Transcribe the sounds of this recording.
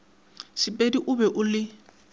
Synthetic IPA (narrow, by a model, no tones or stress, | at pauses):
sɪpʼediʔʊbɛʔʊlɪ